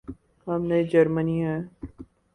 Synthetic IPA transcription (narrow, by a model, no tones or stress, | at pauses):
ɦɐmned͡ʒɐɾməniɦɛː